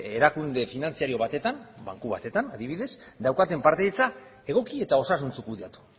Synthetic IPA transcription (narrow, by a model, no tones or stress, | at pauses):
e̞ɾakund̪e̞finant͡siaɾio̞β̞at̪e̞t̪amba̰ŋkuβa̰t̪e̞t̪anaðiβiðe̞sd̪awkat̪e̞mpaɾt̪eːt͡sa | e̞ɣ̞o̞kie̞t̪ao̞sas̬unt͡sukuðiat̪u̥